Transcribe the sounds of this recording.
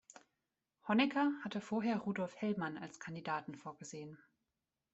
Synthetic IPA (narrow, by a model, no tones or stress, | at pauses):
hɔnɛkʰɐhatʰəfoːɐɦeːɐʁuːdɔlfhɛlmana̰lskʰandidaːtn̩foːɐɡəzeːən